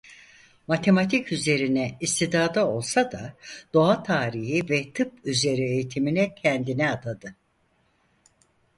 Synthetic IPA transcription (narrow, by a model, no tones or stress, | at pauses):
mat̪ʰe̞mat̪ʰicyze̞ɾinɛist̪ʰid̪aːd̪ao̞lˠsad̪ad̪̥o̞at̪ʰaːɾiɦivɛt̪ʰɯp̚yze̞ɾiejit̪ʰiminɛcʰɛnd̪inɛat̪ʰad̪ɯ